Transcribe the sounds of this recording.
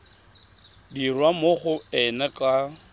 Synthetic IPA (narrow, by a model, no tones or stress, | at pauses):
dirwamoχʊɛnɛkʼa